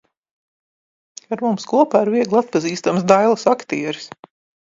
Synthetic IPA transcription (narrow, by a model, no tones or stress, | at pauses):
aɾmumskuɔpaːɾviɛɡlˠat̪̚paziːst̪ams̬d̪ajlˠasakt̪iɛɾis